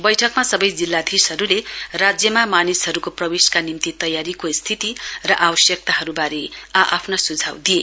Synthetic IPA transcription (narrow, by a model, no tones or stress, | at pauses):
bʌjʈʰʌkmasʌbʌjd͡zilːad̪ʱisɦʌɾulerad͡zjʌmamanisɦʌɾukoprʌbeskanimt̪it̪ʌjaɾikost̪ʰit̪irʌʔabʌsjʌk̚t̪aɦʌɾubaɾeaʔapʰnʌsud͡zʱawd̪ie